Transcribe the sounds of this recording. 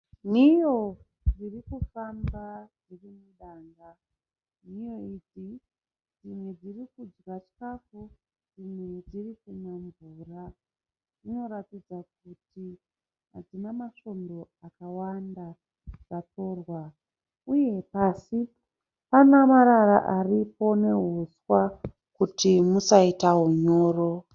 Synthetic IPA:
n̤ijo̞ | d͡zirikufambad͡zirimuɗaːŋɡa | nijo̞id͡zi | d͡zimwed͡zirikud͡ʒɣat͡ʃi̥kafu | d͡zimwed͡zirikunaɱvuːra | d͡zino̞ɾatid͡zak̚uti | ɦad͡zinamaʃo̞ndo̞akawanda | d͡zato̞ːrwa | uje̞pasi | panamaɾaɾaʔaripo̞ne̞ɦuswa | kutimusaitaɦuɲo̞ːro̞

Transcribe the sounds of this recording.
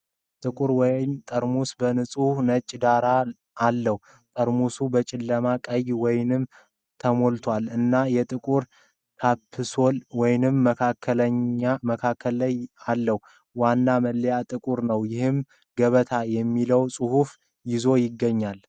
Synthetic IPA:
t̪ʼɨkʼuɾwɔjmt̪ʼəɾmusbənɨsʼuhnət͡ʃʼːd̪aɾaː | lːəhu | t̪ʼəɾmusubət͡ʃʼɪlːəmakʼəjwɔjnɨm | t̪ʰəmo̞lt̪ʰwalɨnːajɛt̪ʼɨkʼuɾ | t̪ʰapʰːɨsolwɔjnɨmːəkʰakʰːəlɲaməkʰakʰːəlːəjalːəhu | wanːaməlːjat̪ʼɨkʼuɾnəwjɪhɨm | ɡəβət̪ʰajɛmːiləwsʼuhuf | jɪzo̞jɪɡːəɲːal

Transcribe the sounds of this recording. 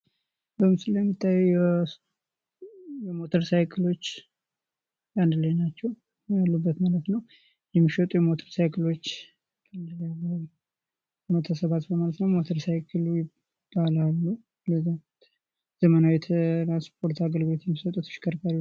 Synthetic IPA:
bəmsɨljɛmːɨt̪ʼːajːu | jɛmo̞t̪ʰəɾsajkʰɨlo̞t͡ʃː | jand̪ləjnat͡ʃːɛw | jalːubːət̪malət̪nəw | jɛmːiʃət̪ʼujɛmo̞t̪ʰəɾsajkʰɨlo̞t͡ʃː | kʼanɨlalː | əmot̪ʰasəβat̪bəmalət̪nəwmot̪ʰəɾsajkʰɨlujɪ | b̥ːalalːu | ləza | z̥əmənawjɛt̪ʰəɾanspʰo̞ɾt̪aɡəlɡbet̪jɛmːisət̪ʼut̪ʃɪ̥kʰəɾkʰaɾi

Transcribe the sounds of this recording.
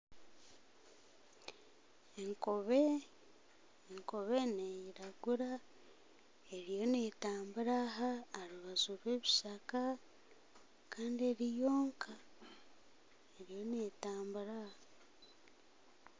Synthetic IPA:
eŋkoβe | ŋko̞βenejiɾaɡuɾa | e̞ɾjo̞netaːmbuɾaɦaːɾuβazuɾwe̞ːβiʃaka | kʰaːndie̞ɾijo̞ːŋkʰa | eɾijo̞netaːmbuɾaha

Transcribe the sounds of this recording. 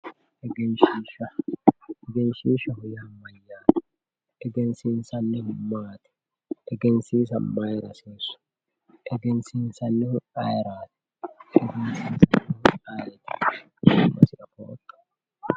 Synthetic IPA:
ʔɛɡɛnʃiːʃɐ | ɛɡɛnʃiːʃɐhʊjaːmːɐjːaːt̪ɛ̥ | ʔɛɡɛnsinsɐnːɪhʊmːaːt̪ɛ̥ | ʔɛɡɛnsiːs̬ɐmːajɛɾɐsiːsʊ̥ | ʔɛɡɛnsinsɐnːɪhʊaːjɛɾaːt̪ɛ̥ | ʔɛɡɛnsinsɐnːɪhʊaːjɛt̪ɪ̥ | hʊmːɐ̰sɪʔɐfo̰ːt̪ːɐ̥

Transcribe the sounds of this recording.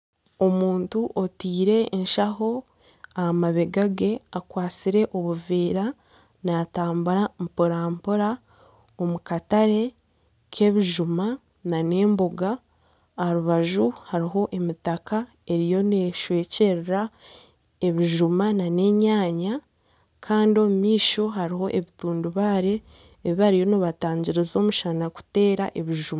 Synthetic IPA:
o̞muːntuʔo̞tiːɾe̞ːnʃaɦo̞ | ahamaβeɡaɡe̞akwaːt͡siɾe̞ʔo̞βuveːɾa | naːtaːmbuɾampoɾaːmpuɾa | omukataɾe̞ | kʰe̞βiʒuma | nane̞ːmboɡaː | ɾuβaʒuhaɾiɦo̞ʔe̞mitaka | e̞ɾijo̞neʃwe̞ːce̞ɾeɾa | e̞βiʒumanane̞ɲaːɲa | kʰaːndio̞mumiːʃo̞ɦaɾiɦo̞ʔe̞βituːnduβaːɾe̞ː | βihaɾijo̞noβataːɲɟiɾezo̞ːmuʃanaku̥te̞ːɾaʔe̞βiʒuma

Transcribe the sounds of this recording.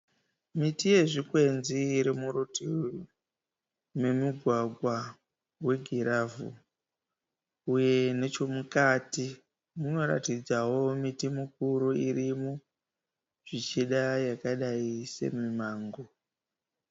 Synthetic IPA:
mitije̞ʐikwe̞nziɾemuɾoti | me̞miɡʱwaɡʱwa | we̞ɡʱiɾavṵ | uje̞ne̞t͡ʃo̞mukati | muno̞ɾa̰tid͡zawo̞mitimuk̚uɾuirimu | ʐ̥it͡ʃiɗajakaɗaise̞̰mimaːŋɡo

